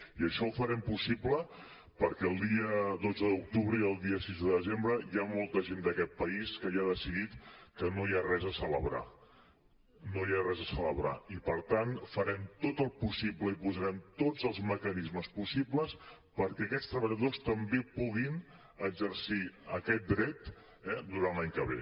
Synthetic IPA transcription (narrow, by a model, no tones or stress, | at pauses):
iəʃɔufəɾɛmpusiplə | pəɾkɛəlˠd̪iəd̪od͡zəðuk̚t̪uβɾəiəlˠd̪iəsizðəðəzembɾəjamolˠt̪əʒend̪əkɛt̪̚pəiskəjaðəsiðit̪kənojarɛzəsələβɾa̰ | nojarɛzəsələβɾa̰ipəɾt̪anfəɾɛmt̪ot̪əlˠpusipləipuzəɾɛmt̪od͡zəlˠzməkənizməspusipləs | pəɾkɛəkɛst̪ɾəβəʎəðost̪əmbepuɣin | əɡzəɾsiəkɛt̪̚d̪ɾɛt̪ | ɛd̪uɾanlaɲkəβ̞ḛ